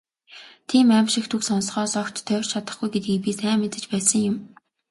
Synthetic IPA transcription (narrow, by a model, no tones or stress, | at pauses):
t̪ʰiːmæːmʃɪ̆xt̪ʰuksɔnsχɔːsɔkt͡ɕt̪ʰːœw̆ʲrt͡ɕʰat̪ə̆χɡujɡet̪̚ɡip̬iːsæːŋmːet͡sɘ̆t͡ɕpæːsə̆ŋjʊm